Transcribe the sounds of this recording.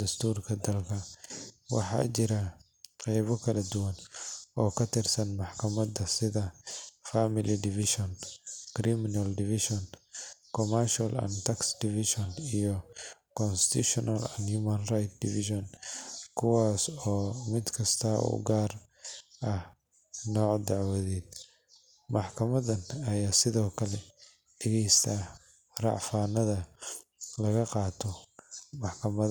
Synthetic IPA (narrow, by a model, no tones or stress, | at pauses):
d̪ɐst̪ʰuːrkʰɐd̪ɐlkʰɐwɑ̰ħɑ̰ːt͡ʃɪɾɐ | qɛjβɔkʰɐlɐd̪ʊwɐnɔːkʰɐt̪ʰɪrsɐnmɑħkʰɐmɐd̪ɐsɪðɐfamɪlid̪ɪfɪʃɔnkɾimɪnɐldɪfɪʃɔnkʰɔmɐrʃɐlɐ̰nt̪ʰɐksd̪ɪfɪʃɔnijɔ | kʰɔnst̪ʰuʃɔnʔɐlɐ̰nhumɐnrajt̪̚d̪ɪfɪʃɔnkʰʊwaːsɔːmɪd̪kʰɐst̪ʰɐṵːɡaːr | ʔɐh | nɔːʕd̪ɑʕwɐðɛːd̪ | mɑħkʰɐmɐðɐnɐjaːsɪðɔːkʰɐlɛ | d̥ɛɣɛjst̪ʰa | rɑ̰ʕfaːnɐðɐ | lɐɣɐqɑːt̪ʰɔmɑħkʰɐmɐ